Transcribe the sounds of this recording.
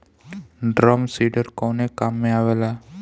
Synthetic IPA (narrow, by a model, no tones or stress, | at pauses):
ɖɾɔmsiɖəɾkɔnekamːẽaʋela